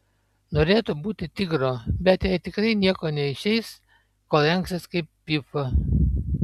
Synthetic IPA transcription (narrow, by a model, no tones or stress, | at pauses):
noːɾʲeːt̪ʊbuːt̪ʲɪt̪ʲɪɡɾoːbʲɛt̪jɛɪt̪ʲɪkɾɐɪnʲiɛkoːnʲɛɪʃʲɛɪs | koːɛŋksʲɪskɐɪpːʲɪfɐ